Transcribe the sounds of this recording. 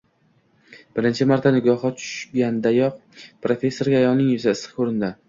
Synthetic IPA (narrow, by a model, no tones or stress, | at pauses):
b̥ɪɾɪnt͡ʃʰɪmaɾt̪ʰanɪɡɒhɒt͡ʃ̪ʰʊ̥ʃɡʲand̪ajɒq̚pɾofʲe̞sːo̞ɾɡʲaːjɒlˠnɪŋʊzaɪsɪ̥kʰoɾɪnd̪ɪ